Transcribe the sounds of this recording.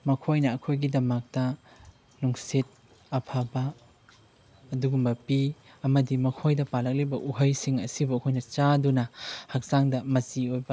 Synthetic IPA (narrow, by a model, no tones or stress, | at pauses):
mɐkʰojnɐːkʰojɡidɐmak̚dɐ | nuŋset̚ | ɐpʰabɐ | duɡumbɐpi | ɐmɐdimɐkʰojdɐpalɐk̚libɐʔuɦɐjsiŋɐ̰sibuɐkʰojnɐt͡ʃadunɐhɐk̚zaŋdɐmɐt͡ʃiojbɐ